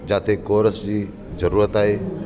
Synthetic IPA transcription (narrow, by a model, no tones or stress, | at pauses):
d͡ʒaːt̪ʰekoːɾəsd͡ʑiː | zəɾuːɾət̪aːɦeː